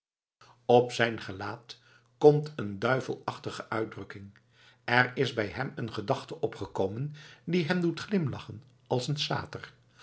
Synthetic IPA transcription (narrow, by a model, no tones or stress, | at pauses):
ɔpsɛjnχəlaːt | kɔmtəndœɥvə̰lˠɑχtəχəʔœɥdrɵkɪŋ | ɛɹɪzbɛjɦɛmənχədɑχtəʔɔpχəkowməndiɦɛmdutχlɪmlɑχən | ɑlˠsənsa̰ːtər